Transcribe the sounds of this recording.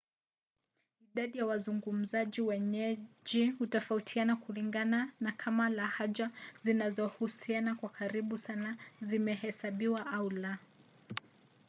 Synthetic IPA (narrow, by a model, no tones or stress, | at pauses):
iɗaɗijawazuŋɡum̩zaʄiwɛɲɛʄihutɔfautʰianakuliŋɡananakʰamalahaʄazinazɔhusianakwakʰaɾiɓusanazimɛhɛsaɓiwaʔaula